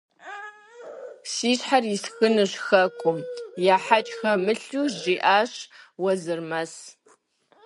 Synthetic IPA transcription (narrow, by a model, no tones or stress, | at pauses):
siːɕħarisxɨnɨɕxɐkʷʰʼʊmjaːħat͡ʃʼxɐmɨɬuːʑiːʔaːɕwɐzɨrmɐs